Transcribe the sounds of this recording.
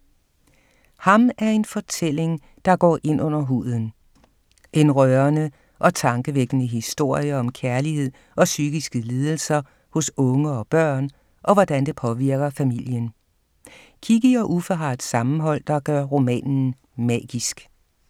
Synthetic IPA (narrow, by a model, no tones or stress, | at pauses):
hɑ̈mæɐe̝nfɒ̽t͡sʰel̰e̝ŋ | d̥ɑ̈ɡ̥ɒ̰ːʔe̝n̰ʔɔ̽n̰ɐɦṵːð̰ˠn̩ | ʔe̝nʁœɐnə | ʔɒ̽t͡sʰɑ̈ŋɡ̥əʋeɡ̥ənəɦisd̥o̝ɐ̰jɐɒ̽mkʰæɐlihe̝ð̰ˠ | ɒ̽syɡ̥isɡ̥əliːð̞ˠl̩sɐ | hɔ̽sɔ̽ŋəɒ̽b̥ɶɐ̰n | ʔɒ̽ʋɒd̥ænd̥e̝pʰɒ̽ʋiɐɡ̥ɐfæmil̰jən | kʰiɡ̥əɒ̽ʔufɒɦɑ̈d̥sɑ̈mn̩ɦɒ̽l̰d̥ɑ̈ɡ̥ɶɐʁo̝mɛ̰ːnn̩ | mɛ̰ːɡ̥isɡ̥